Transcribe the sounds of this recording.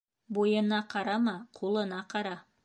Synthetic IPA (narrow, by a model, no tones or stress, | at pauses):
bojənɑqʰɑɾɑmɑqʰolˠənɑqʰɑɾɑ